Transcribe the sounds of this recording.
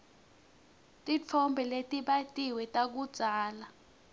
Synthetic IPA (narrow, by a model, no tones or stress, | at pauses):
tʼit͡fʰɔmbʱɛletʼiɓatʼiwɛtʼak̬ud̥z̥ʱaːla